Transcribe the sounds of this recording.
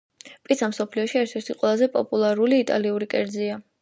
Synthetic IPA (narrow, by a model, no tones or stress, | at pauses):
pʼisʰamsɔpʰliɔʃiɛɾt̪ʰɛɾt̪ʰiqʼwɛlˠazɛpʼɔpʼulˠaɾuliːt̪ʼa̰liuɾikʼɛɾd̪zia